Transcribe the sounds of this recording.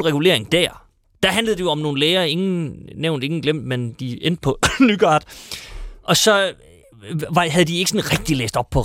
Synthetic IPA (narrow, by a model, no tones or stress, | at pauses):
lʁɛɡ̥ule̝̰ɐe̝ŋd̥æɐ̰ | d̥æ̈ɦænləðˠde̝joɒ̽mno̝ːn̩leːɪɐːe̝ŋn̩neʊnd̥e̝ŋn̩ɡ̥lem̰d̥mend̥ien̰d̥̚pʰɒ̽nyɡ̥ɑ̈ːd̥ | ʔɒ̽sɒ̽ | ʋɑ̈ɦæð̞ˠd̥ie̝ɡ̥sɒ̽nʁɛɡ̥̚d̥ilḛːsd̥ɒ̽b̥̚pʰɒ̽